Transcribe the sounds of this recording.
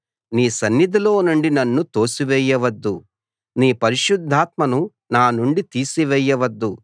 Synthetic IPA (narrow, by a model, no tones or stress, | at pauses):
niːsɐnːid̪ɐlo̞ːnuɳɖinɐnːut̪o̞ːsiʋɛjːɐʋɐd̪ːu | niːpɐɾiʃud̪ʱːaːt̪̚mɐnu | naːnuɳɖit̪iːsiʋɛjːɐʋɐd̪ːu